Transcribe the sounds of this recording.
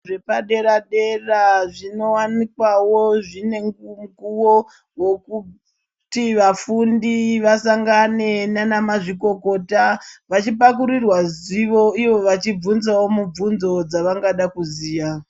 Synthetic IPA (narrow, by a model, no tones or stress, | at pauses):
ʐe̞paɗe̞ɾaɗe̞raʐino̞wanikwawoʐine̞ŋumɡuwo | wo̞ku | tiʋafundiʋasaŋɡane̞nanamaʐiko̞ko̞ːtaʋat͡ʃipakuɾirwaziʋo̞iʋo̞ʋat͡ʃib͡vunzawo̞mub͡vunzo̞d͡zaʋaŋɡaɗakuziːja